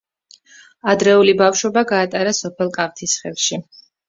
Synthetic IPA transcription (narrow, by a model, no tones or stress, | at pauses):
ad̪ɾɛulibafʃwɔbaɡaːt̪ʼaɾasɔpʰɛlˠkʼaft̪ʰisχɛlˠʃi